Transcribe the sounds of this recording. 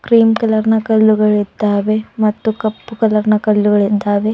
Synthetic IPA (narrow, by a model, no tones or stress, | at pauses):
kɾiːmkɐlɐɾnɐkɐlːuɡɐɭid̪aːʋemɐt̪ːukɐpːkɐlɐɾnɐkɐlːuɡɐɭid̪aːʋe